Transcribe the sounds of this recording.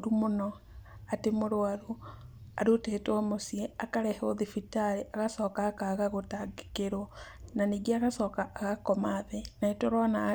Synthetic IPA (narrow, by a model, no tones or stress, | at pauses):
ɾumonɔ | atemoɾoaɾoa̰ɾotetɔmosiɛakaɾɛhoðifitaɾeʔaɣasɔːkakaɣaɣotaɡe̥keɾo | naniɡeaɣasɔkaʔːɣakɔmaðɛnaetoɾɔna